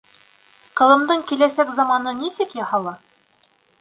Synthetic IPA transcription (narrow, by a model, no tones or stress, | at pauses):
qɤ̆lˠɤ̆md̪ɤɴkilæsækzɑmɑnɤnisɘkjɑhɑlˠɑ